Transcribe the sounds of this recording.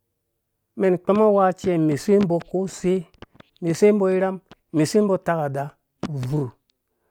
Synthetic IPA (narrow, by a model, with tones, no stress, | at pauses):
me˨nk͡pe˦ma˦wa˦t͡ʃe˦˨me˨se˦m˦bo˧ko˦se˦ | me˨se˦m̩˦bo˦i˦ɾa˦m˦me˨se˦m̩˦bo˦ta˦ka˨da˨ | vu˨ɾ